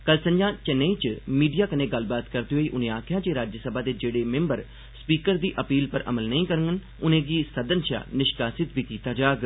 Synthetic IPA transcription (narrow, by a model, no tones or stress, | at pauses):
kəlsəɲd͡ʒãːt͡ʃəneiːt͡ʃmiːɖijaːkənẽːɡəlbaːt̪kəɾd̪eːɦoːiːʔʊnẽːaːkʰjãːt͡ʃeːɾaːd͡ʒəsəbʱaːd̪eːd͡ʒeːɽeːmẽmbəɾ | spiːkəɾd̪iːʔəpiːlpəɾʔə̰məlnəĩːkəɾəŋɡən | ʊnẽːɡiːsəd̪ənʃa̰ːnɪʃkaːsɪt̪biːkiːt̪aːd͡ʒaːɡ